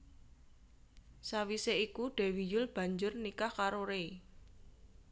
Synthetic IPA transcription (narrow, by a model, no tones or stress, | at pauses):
sawiseikuɖ̥e̤wijʊlb̥a̤ɲd͡ʒʊrnikahkaɾoɾe